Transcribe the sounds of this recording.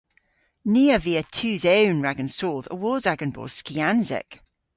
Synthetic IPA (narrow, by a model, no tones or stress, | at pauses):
niːəviətʰʉːzewnɹaɡə̃nsoːðə̰wɔːzaɡə̃nbɔ̰ːskianzɛ̰k